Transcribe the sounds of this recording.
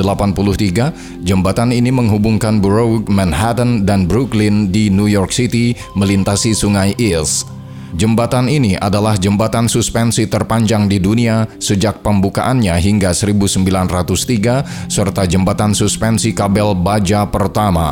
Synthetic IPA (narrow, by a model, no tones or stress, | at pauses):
əlapanpuluht̪iɡa | d͡ʒəmbat̪aniniməŋɦubuŋkanbɾowk̚mɛnɦat̪əndanbɾuklɪndinujɔrksit̪i | məlint̪asisuŋajʔils | d͡ʒəmbat̪aniniʔa̰dalahd͡ʒəmbat̪ansuspɛnsit̪ərpaɲd͡ʒaŋdiduniasəd͡ʒak̚pəmbuka̰ʔanɲaɦiŋɡasəɾibusəmbilanrat̪ust̪iɡasərt̪ad͡ʒəmbat̪ansuspɛnsikabɛlbad͡ʒapərt̪ama̰